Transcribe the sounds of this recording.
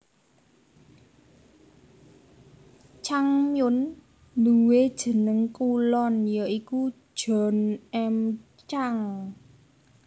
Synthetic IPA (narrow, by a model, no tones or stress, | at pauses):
t͡ʃaŋmjʊn | luwed̥ʒ̥ə̤nəŋkulɔnjəʔiku̥ | ʒ̥ɔ̤nɛm | t͡ʃaŋ